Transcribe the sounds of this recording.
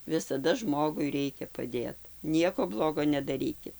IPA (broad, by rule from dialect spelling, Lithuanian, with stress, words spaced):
ʋʲɪsɐˈdɐ ˈʒmoːɡʊɪ ˈrʲɛɪkʲɛ pɐˈdʲeːt ˈnʲiɛkoː ˈblˠoːɡoː nʲɛdɐˈrʲiːkʲɪt